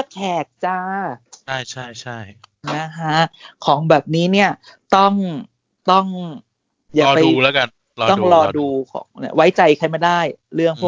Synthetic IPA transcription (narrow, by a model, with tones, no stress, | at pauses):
kʰɛː˨˩k̚t͡ɕaː˧a˥˩jt͡ɕʰa˥˩jt͡ɕʰa˥˩jna˦˥kʰa˦˥kʰɔː˩˦ŋbɛː˨˩p̚niː˦˥ni˥˩ɐt̪ɔ˥˩ŋ | t̪ɔ˥˩ŋ | jaː˨˧pa˧juː˧lɛː˦˥ka˧n | lɔː˧t̪ɔ˥˩ŋɾɔː˧duː˧kʰɔ̰ː˩˦ŋni˥wa˦˥jt͡ɕa˧jkʰa˧jma˥˩daː˥˩jɾɯ˥˩əŋpʰu˥˩